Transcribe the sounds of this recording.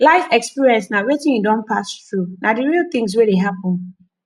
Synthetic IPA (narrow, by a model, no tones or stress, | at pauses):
laɪfɛkspiɹiɛ̃nsnãwetɪ̃nidɔ̃npʰasθɹunʔadɪɹilˠt̪ɪ̃ŋs̬weɾeɦapʊ̃n